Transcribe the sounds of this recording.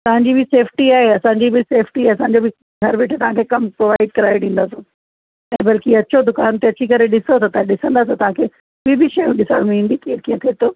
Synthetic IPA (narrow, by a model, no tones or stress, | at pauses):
t̪ɐʋ̤ãɲd͡ʑibɪseːfʰʈiaːɦeɐsãːɲd͡ʑibʱɪseːfʰʈiɐsãːɲd͡ʑobɪ | ɡʱɐɾʋɪʈʰt̪ɐʋ̤ãkʰekɐmpɾoːʋaːɪɖ̚kɐɾaːjɪɖĩːn̆d̪aːsõ | ɛ̃ːbɐlkiɐt͡ɕod̪ʊkaːnt̪eɐt͡ɕikɐɾeɗɪsot̪ɐt̪ɐãɗɪsə̃nd̪aːs̬et̪ɐʋ̤ãkʰeː | ʋibɪʃɐjũɗɪsa̰ɽmĩːnd̪ikiə̃kiə̃t̪ʰiet̪oː